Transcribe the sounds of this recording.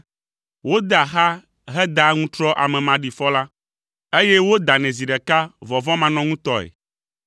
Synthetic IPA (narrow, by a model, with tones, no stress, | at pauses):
wo˦d̪a˨ɦa˦ | ɦɛ˦d̪a˦ŋũ˦t̪ɾɔ˦ʔa̰˨mɛ̃˨mã˨ɖi˨fɔ˦la˦ | e˦jɛ˦wo˦d̪a˨nɛ̃˨zi˨ɖɛ˨ka˦vɔ˨vɔ̃˦mã˨nɔ̃˦ŋũ˦t̪ɔ˦ɛ̰˨